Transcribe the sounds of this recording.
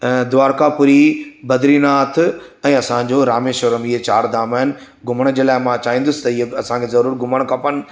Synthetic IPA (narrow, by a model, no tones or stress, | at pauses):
d̪ʊʋaːɾkapʊɾibɐd̪ɾinaːt̪ʰɛ̃ːɐsãd͡ʑoɾaːmeʃoɾəmɪɦet͡ɕaːɾd̪aːmaːɦɪnɪ̆ | ɡʊməɽ̃əd͡ʑeːlaːɪmãt͡ɕaːĩːnd̪ʊsɪ̥t̪ɐɪɦeɐsãkʰezɐɾuːɾɡʊməɽ̃kapənɪ̆